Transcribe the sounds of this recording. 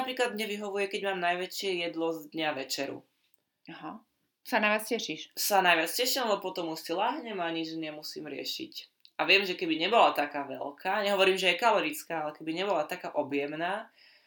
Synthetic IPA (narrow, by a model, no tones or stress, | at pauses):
apɾiːklad̪̚mɲɛʋiɦɔʋujɛkɛɟmaːmnajʋɛt͡ʃɪɛjɛd̪lɔzd̪ɲaʋɛt͡ʃɛɾṵ | aɦa | sanajʋjat͡scɛʃiʃsanajʋat͡scɛʃimlabɔpɔt̪ɔmuʃsilaːɦɲɛmaɲid͡ʒɲɛmusḭːmɾɪɛ̰ʃḭc | ʔaʋɪɛmʒɛkɛbiɲɛbɔlat̪akaːʋɛ̰lkʰaːɲɛɦɔʋɔɾiːmʒɛjɛkalɔɾit͡skaːalɛkɛbiɲɛbɔlat̪akaːʔɔbjɛmnaː